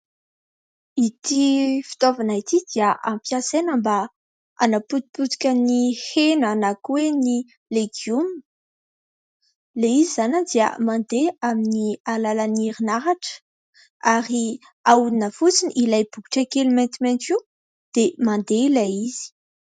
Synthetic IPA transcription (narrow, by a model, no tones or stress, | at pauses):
it̪ifi̥t̪ovanait̪id̪iəʔampjãsenəmba | a̰naput̪̚put̪u̥kʲənihenanakweni | leɡiun | leizizanad̪iə̰mãnd̪eaminialalaniɾinaɾaʈ͡ʂə̥ | aɾi | auninəfut͡siniʔilajbuku̥ʈ͡ʂekelmẽnt̪iment̪i | d̪̥emand̪elaiz̥i̥